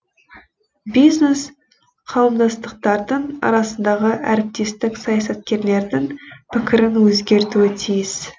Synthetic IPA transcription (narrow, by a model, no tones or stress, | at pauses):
bijzne̞s | qʰɑwəmd̪ɑst̪əq̚t̪ɑɾd̪əɴɑ̰ɾɑsənd̪ɑʁəʔæɾɪp̚t̪e̞st̪ɪksɑjɑsɑt̪̚kʲe̞ɾle̞ɾd̪ɪŋpʰɪkʲɪɾɪnwɵzɡʲe̞ɾt̪uɪt̪ʰijɪs